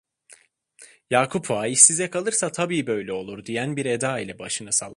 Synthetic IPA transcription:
jaːkʰupʰvaːiʃsizɛkalˠɯɾsat̪ʰabiːbø̞jlʲɛo̞lˠuɾd̪ijænbiɾed̪aːilʲɛbaʃɯnɯsalˠ

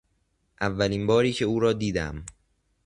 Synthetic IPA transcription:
ʔævːæliːnbɒːɾiːcʰe̞uːɾɒːd̪iːd̪æ̰m

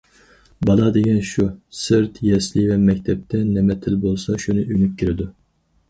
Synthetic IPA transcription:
bɑlˠɑd̪eɡʲɛnʃusɨɾt̪ʰjɛslɪvɛmɛk̚ʲt̪ʰɛp̚t̪ʰɛnɛmɛt̪ʰɪlbolˠsɑʃunɨʔynykʲʰːiɾɪd̪u

